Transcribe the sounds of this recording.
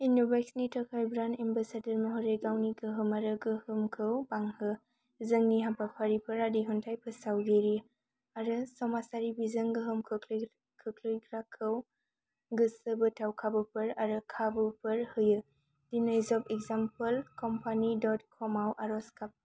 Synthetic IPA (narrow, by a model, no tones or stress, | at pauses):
inɔbajksnitʰəkʰaɾbɾanembasadəɾmɔɦɔɾeɡawniɡɯɦɯmaɾɯɡɯhɯmkʰɯwbaŋhɯ | zɯŋniɦapapʰaɾipʰɯɾadiɦuntʰajpʰɯsawɡeɾi | aɾɯsɔmasaɾibizɯŋɡɯɦɯmkʰɯkʰl | kʰɯkʰlɯjɡɾakʰɯw | ɡɯsəbɯtʰawkʰabɯpʰɯɾaɾɯkʰabɯpʰɯɾhɯjɯ | d̥inajzɔpʰekzampəlkɔmpʰanidɔtkʰɔmawʔaɾɔskap̚